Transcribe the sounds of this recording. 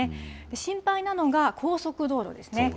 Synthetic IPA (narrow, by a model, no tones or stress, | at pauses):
ed̪̥e̞ɕĩmpainano̞ɡakʰo̞ːso̞kɯ̟d̪o̞ːɾo̰d̪e̞sɨ̥ne̞